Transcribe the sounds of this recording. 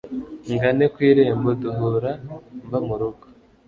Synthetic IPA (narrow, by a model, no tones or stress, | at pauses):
ŋɡanekwiːɾeːmboduɦuɾambamuɾuɡo̥